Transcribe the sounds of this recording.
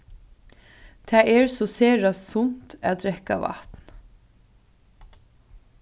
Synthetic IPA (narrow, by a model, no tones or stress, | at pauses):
t̪ʰæːʔeːɹsɔseːɹɑssʊnt̪æ̰ːd̪ɹɛkɑ̰ʋɑ̰t̪n